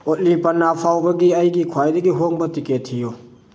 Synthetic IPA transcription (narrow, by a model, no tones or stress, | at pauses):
ot̚lipɐnːapʰawbɐɡiɐjɡikʰwajdɐɡiɦoŋbɐtiketʰhijo